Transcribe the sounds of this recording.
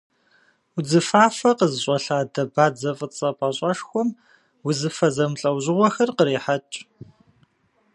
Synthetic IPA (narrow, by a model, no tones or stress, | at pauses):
wʊd͡zɨfaːfɐqəzɨɕʼɔɬaːdɐbaːd͡zɐfʼət͡sʼɐpʼɐɕʼɐʂxʷɔm | wʊzɨfɐzɐmɬʼɐwʑɪʁʷɔxɐrqəɾeːħat͡ʃʼ